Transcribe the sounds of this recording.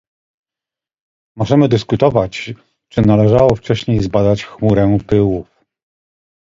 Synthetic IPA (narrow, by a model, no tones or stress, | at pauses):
mɔʐɛmɘd̪ɘskut̪ɔvat͡ɕ | t͡ʂɘnalɛʐawɔft͡ʂɛɕɲejzbad̪at͡ɕxmuɾɛpɘwuf